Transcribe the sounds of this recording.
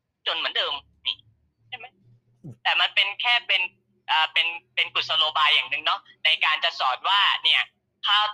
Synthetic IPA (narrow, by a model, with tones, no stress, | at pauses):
t͡ɕo˧nmɯ˩˦əndɤː˧m | niː˥˩ | t͡ɕʰa˥˩jma˦˥j | t̪ɛː˨˩ma˧npe˧nkʰɛː˥˩pe˧n | ʔəː˨˩pe˧npe˧nku˨˩sa˧loː˧baː˧jːaː˨˩ŋnɯ˧ŋnɔ˦˥na˧jkaː˧nt͡ɕa˨˩ʔsɔː˨˩t̪̚waː˥˩ni˥˩ɐ | t̪ʰaː˥˩